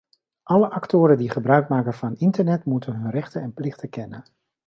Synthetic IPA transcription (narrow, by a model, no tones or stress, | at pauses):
ʔɑləʔɑktʊːɾəndiχəbrœɥkmaːkənvɑnɪntəɹnɛtmutənɦɵnrɛχtəɛnplɪχtəkɛnə